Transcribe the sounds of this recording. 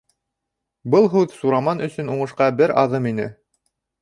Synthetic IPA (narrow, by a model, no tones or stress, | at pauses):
bɤlˠɦʉðsuɾɑmɑnɵ̆sɵ̆nuɴɤ̆ʃqɑbɘɾɑðɤminɘ